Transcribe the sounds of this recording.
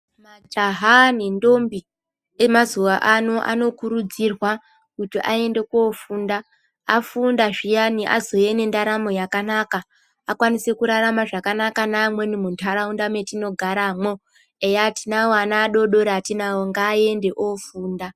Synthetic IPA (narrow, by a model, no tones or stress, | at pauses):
mad͡ʒaɦanindo̞mbi | emazuʋaʔano̞ʔa̰no̞kuɾud͡zirwa | kutiʔae̞nde̞kofuːnda | a̰fundaʐijaniʔa̰zo̞je̞ne̞ndaɾamo̞jakanaka | akwanisekuɾaɾamaʐakanakanamwe̞nimuntʰaɾaundame̞tino̞ɡʱaɾamwo | ejatinawoanaːɗo̞ɗo̞ɾeatinawoŋɡaːje̞nde̞ʔofuːnda